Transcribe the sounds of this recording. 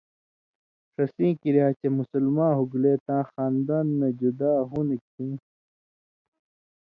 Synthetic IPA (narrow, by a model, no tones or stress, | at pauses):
ʂɐsĩːkiɾiaːt͡ɕemusulmãːɦuɡleːt̪ãːxaːnd̪aːnːed͡ʑud̪aːɦunik̚ʰĩː